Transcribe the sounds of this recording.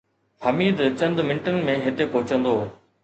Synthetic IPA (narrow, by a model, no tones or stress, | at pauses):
həmiːd̪t͡ɕɐ̃nd̪mɪ̃ɳʈən̆mẽɦɪt̪ekoːɦʊt͡ɕə̃nd̪oː